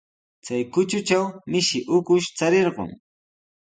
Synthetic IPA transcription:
t͡sajkʊt͡ʃʊt͡ʃawmɪʃɪʔʊkʊʃt͡saɾeɾɢo̰ŋ

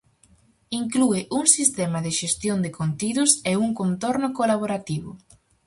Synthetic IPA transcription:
iŋkluɪʔuŋsist̪ɛmɐðɪʃest̪jond̪ɪkont̪iðʊseuŋkont̪oɾnʊkolaβoɾat̪iβʊ

